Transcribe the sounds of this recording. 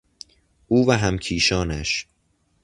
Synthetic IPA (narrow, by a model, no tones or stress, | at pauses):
ʔuːvæɦæmcʰiːʃɒːnæʃ